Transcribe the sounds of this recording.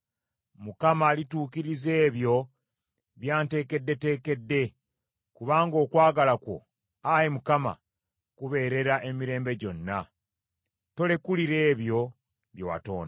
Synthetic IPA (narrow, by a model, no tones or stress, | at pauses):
mukamaːlituːkiɾize̞ːβjo̞ | βjaːnte̞ːke̞dːe̞te̞ːke̞dːe̞ | kuβaːŋɡo̞ːkwaːɡalakwo̞̰ | ajemukama̰ | kuβe̞ːɾe̞ɾaʔe̞miɾe̞ːmbe̞ɟo̞nːa | to̞le̞kuliɾe̞ːβjo̞ | βjowa̰to̞̰ːna